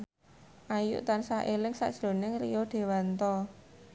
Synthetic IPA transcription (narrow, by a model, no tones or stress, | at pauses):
ʔajṵʔt̪ansaʔelɪŋsa̰ʔd̥ʒ̥lo̤nɪŋlijɔd̪̥e̤want̪ɔ